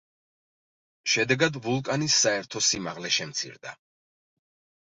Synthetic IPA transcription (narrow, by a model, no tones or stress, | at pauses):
ʃɛd̪ɛɡad̪vulˠkʼanisːaɛɾt̪ʰɔsimaʁlɛʃɛmt̪sʰḭɾd̪a̰